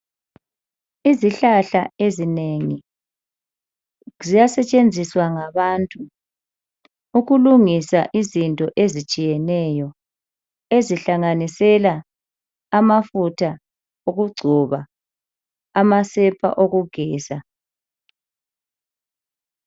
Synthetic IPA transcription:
iziɬaɬaezineŋi | zijasɛt͡ʃʼend͡zʱiswaŋaβantʼu | uɣuluŋisaʔizintʼɔʔezit͡ʃʼijɛnɛjɔ | eziɬaŋanisɛlaː | mafutʰa | oɣuɡ͡ǀʱɔβa | masɛpʰa̰ʔoɣuɡ̥ʱɛːsa

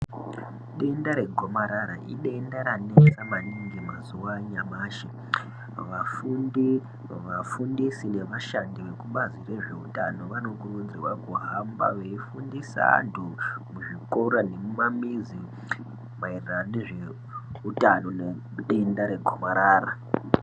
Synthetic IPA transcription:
ɗe̞ndaɾe̞ɡʱo̞maɾaɾa̰ʔḭɗendaɾane̞t͡samaniŋɡimazuwaɲamaːʃi | ʋafundi | ʋafundisine̞ʋaʃandiʋe̞kuɓazire̞ʐe̞utano̞ʋano̞kurud͡zirwakuɦamba̰ʋeifundisa̰ntʰumuʐiko̞ɾane̞mumamizi | mairiraneʐe | utano̞ne | ɗendaɾe̞ɡʱomaɾaːra

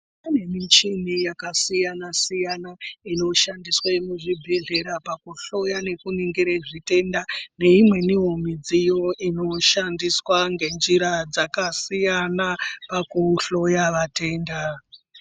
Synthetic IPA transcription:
pane̞mit͡ʃinijakasijanasijanaino̞ʃandiswemuʐibʱeɮe̞ɾapakuɬo̞jane̞kuniŋɡiɾeʐite̞ndane̞imwe̞niɦomid͡zijo̞ʔino̞ʃandiswaŋɡe̞nd͡ʒiɾad͡zakasijanapakuɬo̞jaʋate̞ːnda

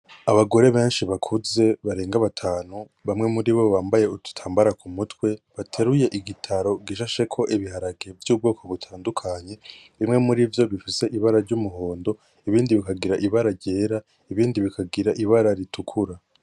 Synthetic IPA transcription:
aβaɡo̞ɾe̞βe̞ːnʃiβakʰuze̞βaɾeːŋɡaβatʰaːnu | βamŋe̞muɾiβo̞βaːmbaje̞utu̥tʰaːmbaɾakʰumutwe̞βatʰe̞ɾuje̞ʔiɡitʰaɾo̞ɡiʃaʃe̞kʰo̞ʔiβihaɾaɡe̞vjuːb̚ɡoːkʰo̞βutʰaːndukʰaɲe̞ | βimŋe̞muɾivjo̞βifise̞ʔiβaɾaɾɟumuɦo̞ːndo̞ | iβiːndiβikaɡiɾaʔiβaɾaɾɟe̞ːɾa | iβiːndiβikaɡiɾaʔiβaɾaɾitʰukʰuɾa

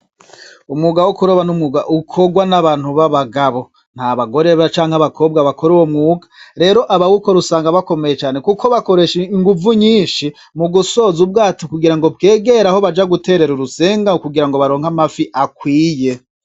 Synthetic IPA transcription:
umŋuːɡawokuɾoβanumŋuɡaʔukʰo̞ɡwanaβaːn̥huβaβaɡaβo̞ | n̥haβaɡo̞ɾe̞βat͡ʃaːŋhaβakʰo̞ːb̚ɡaβakʰo̞ɾuwomŋuːɡḁɾe̞ːɾo̞ʔaβawuko̞ɾusaːŋɡaβako̞me̞jet͡ʃaːne̞kuko̞βako̞ɾe̞ʃiiŋɡuvuɲiːnʃi | muɡuso̞zub̚ɡaːtokuɡiɾaŋɡobɡe̞ːɡe̞ɾaho̞βad͡ʒaɡute̞ːɾe̞ɾuɾuse̞ːŋɡakuɡiɾaŋɡo̞βaɾoːŋ̥hamafiʔakwiːje̞

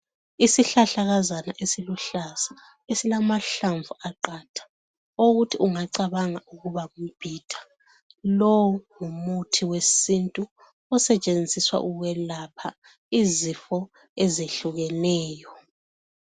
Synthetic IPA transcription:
isiɬaɬaɣazanaʔesiluɬazḁ | esilamaɬaɱvuaǃatʰḁ | oɣutʰiʔuŋaǀaβaŋaʔuɣuβaŋub̥ʱid̥ʰʱḁ | lɔwŋumutʰiwesintʼu | ɔsɛt͡ʃʼend͡zʱiswa̰ʔuɣɛlapʰa | izifɔ | ezeɬuɣɛnɛːjɔ

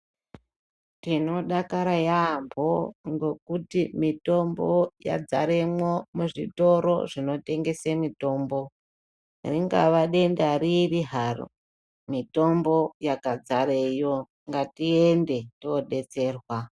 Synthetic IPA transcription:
tino̞ɗakaɾajamboŋɡo̞k̚utimito̞mboja̰d͡zaɾemwo̞muʐito̞ɾo̞ʐino̞te̞ŋɡe̞semito̞ːmbo̞ | riŋɡa̰ʋaɗe̞ndaɾiriɦaro̰ | mito̞mbo̞jakad͡zaɾejo̞ | ŋɡatiende̞tooɗe̞t͡se̞ːrwa

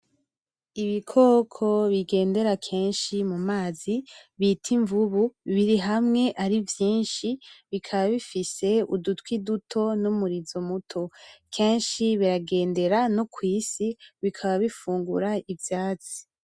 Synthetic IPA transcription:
iβikʰo̞ːkʰo̞βiɡe̞ːnde̞ɾakʰe̞ːnʃimumaːziβitʰiɱvuβuβiɾiɦamŋe̞ʔaɾivjiːnʃiβikʰaβaβifise̞udutwidutʰo̞numuɾizo̞mutʰo̞kʰe̞ːnʃiβiɾaɡe̞ːnde̞ɾanokwiːsiβikʰaβaβifuːŋɡṵɾaivjaːt͡si̥

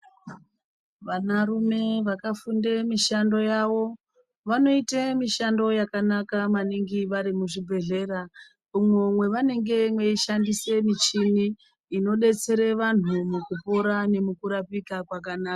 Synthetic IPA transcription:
ʋanarume̞ʋakafundemiʃando̞jaʋo̞ | ʋano̞itemiʃando̞jakanakamaniŋɡiʋaɾimuʐibʱe̞ɮe̞ra | umwomwe̞ʋane̞ŋɡe̞mwe̞iʃandise̞mit͡ʃiniː | no̞ɗe̞t͡se̞ɾe̞ʋan̤umukupo̞ɾane̞mukuɾapikakwakanaːka

